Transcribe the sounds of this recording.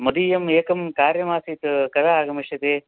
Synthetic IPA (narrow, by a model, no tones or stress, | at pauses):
mɐd̪ijɐmeːkɐmkaːɾjɐmaːsiːt̪kɐɾaːɡɐmiʃɐt̪eː